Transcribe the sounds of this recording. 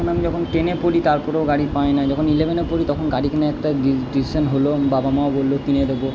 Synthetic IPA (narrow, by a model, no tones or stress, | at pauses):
ɔnamid͡ʒɔkʰɔnʈenepoɾit̪aɹpɔɾeoɡaɽipajnajd͡ʒɔkʰɔnilebʱenepoɾit̪ɔkʰɔnɡaɽikʰɛneɛkʈaidisisʰɔnɦolobabamaobolːokined̪ebo